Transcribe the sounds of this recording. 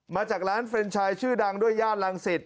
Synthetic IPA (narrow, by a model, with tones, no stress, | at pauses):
maː˧t͡ɕaː˨˩k̚ɾaː˦˥nfe˧nt͡ɕʰaː˧jt͡ɕʰɯː˥˩da˧ŋdu˥˩əjːaː˥˩t̪̚la˧ŋse˨˩t̪̚